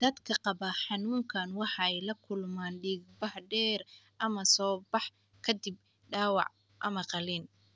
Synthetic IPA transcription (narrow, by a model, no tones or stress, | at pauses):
d̪ɐd̪kʰɐqɑbɐħɑnuːŋkʰɐnwɑħɑɛjlɐkʰʊlmaːnɖiːɡbɐhɖɛːrʔɐmɐsɔːbɑħ | kʰɐd̪ɪb | ɖaːwɑ̰ʕ | ʔɐ̰mɐqɑlin